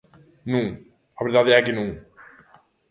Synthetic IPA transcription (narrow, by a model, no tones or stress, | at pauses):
nũŋ | ɐβeɾðaðɛkɪnũŋ